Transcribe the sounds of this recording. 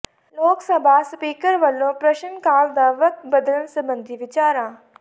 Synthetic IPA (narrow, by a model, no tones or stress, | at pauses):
loːksəbʱaːspiːkəɾʋəlːõːpɾəʃənkaːld̪aːʋək̚t̪bəd̪ələnsəbənd̪ʱiːʋɪt͡ʃaːɾãː